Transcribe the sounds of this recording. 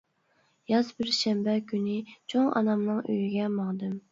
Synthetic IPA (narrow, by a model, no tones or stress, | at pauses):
jɑzbɪɾʃɛmbɛkʲʰynɪt͡ʃʰoŋʔɑ̰nɑmnɨŋø̰jyɡʲɛmɑŋd̪ɨm